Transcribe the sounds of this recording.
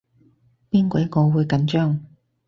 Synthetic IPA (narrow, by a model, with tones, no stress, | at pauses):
piː˥nkʷɔ˨˥jɐ˥kɔː˨˧wuː˨˧jkɐ˨˥nt͡ʃœː˥ŋ